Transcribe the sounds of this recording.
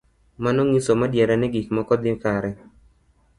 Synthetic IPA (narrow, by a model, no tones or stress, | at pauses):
manɔŋisomadjɛɾanɪɡikmɔkɔd̪ɪkaɾɛ